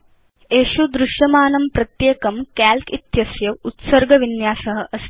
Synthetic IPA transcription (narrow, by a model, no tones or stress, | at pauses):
eːʃud̪ɾuʃjɐmaːnɐmpɾɐt̪jeːkɐmkaːlkit̪jɐsjɐʋut̪sɐɾɡʱɐʋinjaːsɐɦɐ̆ʔɐs